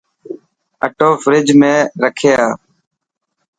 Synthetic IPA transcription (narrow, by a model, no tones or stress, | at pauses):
əʈoːfɾɪd͡ʒmẽːɾəkʰeːaː